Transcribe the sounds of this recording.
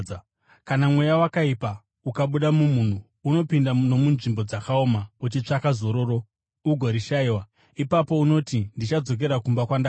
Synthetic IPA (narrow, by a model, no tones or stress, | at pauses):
kanamwe̞jawakaipa | ukaɓuɗamumun̤uː | no̞pindano̞munʐimbo̞d͡zakaomaut͡ʃit͡ʂakazo̞ɾo̞ɾo̞ | uɡʱo̞ɾiʃaiwa | ipapo̞uno̞tindit͡ʃad͡zo̞k̬e̞ɾakumbakwanda